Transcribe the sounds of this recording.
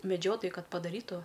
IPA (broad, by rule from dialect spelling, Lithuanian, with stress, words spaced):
mʲɛˈd͡ʒʲoːtoːjʊɪ ˈkɐt pɐdɐˈrʲiːtʊ